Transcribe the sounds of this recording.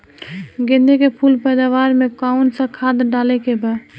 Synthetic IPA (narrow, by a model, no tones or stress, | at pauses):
ɡẽnd̪ekepʰulpɛd̪aʋaɾmekaunsə̃kʰad̪ɖalɛkebɛ